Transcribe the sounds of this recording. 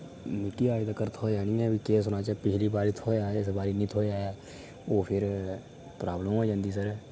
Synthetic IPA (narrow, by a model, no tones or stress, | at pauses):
mɪʈiaːɪd̪akəɾt̪ʰoːd͡ʒaːnĩːɛ̃ːbiːkeːsʊnaːt͡ʃapɪt͡ʃliːbaːɾit̪ʰoːaːɪs̬baːɾiːnĩːt̪ʰoːjaːɛ | oːpʰɪɾ | pɾaːbləmɛːd͡ʒãːnd̪iːs̬əɾɛ